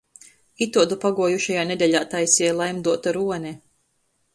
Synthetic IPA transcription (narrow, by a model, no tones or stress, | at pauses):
it̪uɔd̪upaɡuɔjuʃajaːned̪ʲɛʎʲaːt̪ajsʲiɛjlˠajmd̪uɔt̪aɾuɔnʲɛ